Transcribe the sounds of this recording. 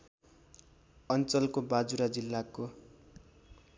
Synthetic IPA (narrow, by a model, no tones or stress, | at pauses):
ʌnt͡sʌlkobad͡zuɾad͡zilːako